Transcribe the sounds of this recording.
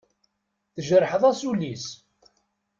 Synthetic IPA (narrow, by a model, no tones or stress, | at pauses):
θəʒəɾˤħəðˤæsulis